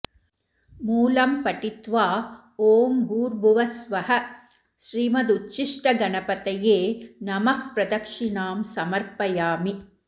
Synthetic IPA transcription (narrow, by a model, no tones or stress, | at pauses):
muːlɐmpɐʈit̪ʋaː | oːmɡuːɾbʱuʋɐsʋɐhɐ | ʃɾiːmɐd̪utːt͡ʃiʂʈɐɡɐnɐpɐt̪ɐjeːnɐmɐkpɾɐd̪ɐkʂinaːmsɐmɐɾpɐjaːmi